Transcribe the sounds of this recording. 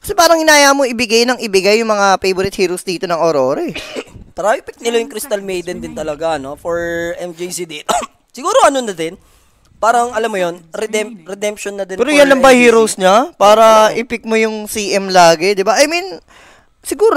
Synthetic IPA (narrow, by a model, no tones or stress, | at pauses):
kɐ̥sɛpaːɾɐŋhɪnaːjamoɪbɪɡajnɐŋɪbɪɡajːʊŋmɐŋafejboɾɪt̪̚hiːɾowsd̪iːt̪o̞nɐŋʔoɾoːɾɛt̪ɾaʔɪpɪk̚nɪlajʊŋkɾist̪ɐlmejd̪ɛnd̪ɪnt̪ɐlɐɡanofoɹʔɛmd͡ʒisid̪iːt̪o | sɪɡuːɾoʔɐnonɐd̪ɛn | paːɾɐŋʔɐlamːojonɾɛd̪ɛmpɾɛd̪ɛmpʃonːɐd̪ɪnpɛːɾojanːɐmbɐjhiːɾowsɲɐpaːɾɐʔɪpɪk̚mojʊŋsiːʔɛmlaːɡɛd̪ɪbaʔɐjmin | sɪɡuːɾo